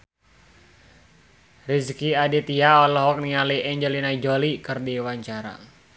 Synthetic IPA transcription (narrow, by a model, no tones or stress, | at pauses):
riskiadit̪iaɔlɔɦɔk̚nialiʔɛɲd͡ʒɛlinaid͡ʒolikɨrdiwaɲt͡ʃaɾa̰